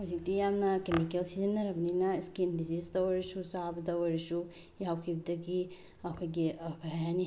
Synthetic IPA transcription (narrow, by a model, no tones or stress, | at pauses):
azik̚tijamnɐkemikelsizenːɐɾɐbɐninɐskindizistɐwɐɾisusabɐdɐwɐɾisu | jawkʰibɐdɐɡi | ɐkʰojɡikʰaɦajɦani